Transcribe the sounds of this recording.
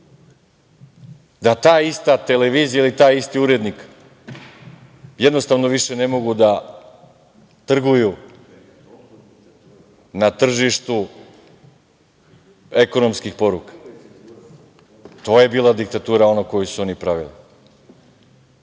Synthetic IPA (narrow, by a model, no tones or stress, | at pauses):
d̪at̪aːist̪at̪e̞leʋiːzijailit̪aːjist̪iuɾed̪nik | jed̪no̞st̪aʋno̞ʋiʃe̞ne̞mo̞ɡud̪a | t̪r̩ɡuju | nat̪r̩ʒiʃt̪u | e̞ko̞nomskixpo̞ɾukḁ | t̪o̞ːje̞biːlˠad̪ik̚t̪at̪uːɾao̞nako̞jusuo̞nipɾaʋḭli